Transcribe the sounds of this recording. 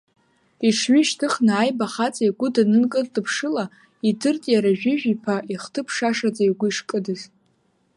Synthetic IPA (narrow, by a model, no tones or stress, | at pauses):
iʂʰɥiʃtʰɨχnaajbaχat͡sʼaiɡʷʊdanɨnkʼɨrdʼɨpʰʂɨla | idɨrtʼjaɾaʒᶣɪʒᶣipʰaʔiχtʰɨpʰʂaʂad͡zaiɡʷʊiʂkʼɨdɨz